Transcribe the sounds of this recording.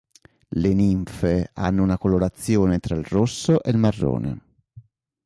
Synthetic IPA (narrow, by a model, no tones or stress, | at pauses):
leniɱfea̰nːounakoloɾat̪sːjoːnet̪ɾailrosːoʔelmarːo̰ːnḛ